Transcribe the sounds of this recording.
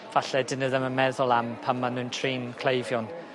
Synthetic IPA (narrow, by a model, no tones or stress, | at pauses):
v̥aɬɛdɪnəðəməmɛðɔlˠampʰammːanɨːntʰriːnkʰlejvjɔn